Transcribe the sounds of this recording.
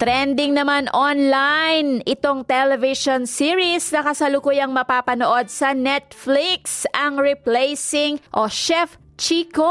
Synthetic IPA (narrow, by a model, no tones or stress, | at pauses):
t̪ɾɛnd̪ɪŋnɐmanʔonlajnʔɪt̪o̞ŋt̪ɛlɛvɪʃonsiɹisnɐkɐsɐlʊkujɐŋmɐpaːpɐnoʔo̞d̪̚sɐnɛt̪̚fliksʔɐŋɹɛplɛjsɪŋʔoʃɛf | t͡ʃiːko